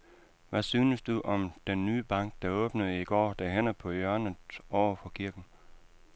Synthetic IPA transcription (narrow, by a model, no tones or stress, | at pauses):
ʋæsyːnəsd̥uʔɒ̽md̥enːyːb̥ɑ̈ŋ̰ɡ̥̚d̥ɑ̈ɔ̽ːb̥nəð̩ˠiɡ̥ɒ̰ːd̥æɦen̰ɐpʰɒ̽jɶɐnəɒʊɐfɒ̽kʰiɐɡ̥n̩